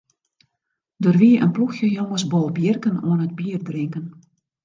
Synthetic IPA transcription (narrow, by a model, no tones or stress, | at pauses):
doːrʋiʔə̰npluxjəjoŋəsbɔlˠbjɪrkəno̰ənət̚biərdrɪŋkən